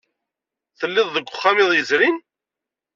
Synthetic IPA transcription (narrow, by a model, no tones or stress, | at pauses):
θəlːɪðˤːəɡʷʊχːamɪðˤjəzɾin